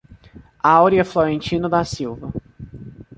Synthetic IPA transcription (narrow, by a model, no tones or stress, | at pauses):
awɾiɐfloɾẽnt͡ʃĩnʊd̪asiwvɐ